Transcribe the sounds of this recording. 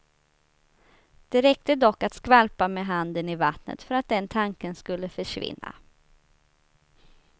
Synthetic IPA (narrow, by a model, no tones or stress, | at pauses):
d̪̥ɛɾɛk̚t̪əd̪ɔkːat̪skvalpameɦand̪ənɪvat̪nə̰t̪fœɾat̪̚d̪ɛnt̪ʰaŋkənskɵlːəfœʂvɪ̰nːa̰